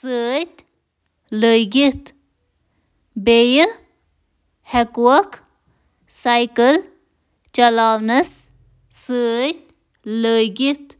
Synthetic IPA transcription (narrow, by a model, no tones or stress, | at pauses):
səːt̪ʲ | ləjɡit̪ | bejə | hɛkwɐk | sajkəl | t͡ʃɐlaːwnɐs | sːət̪̚ʲ | ləjɡit̪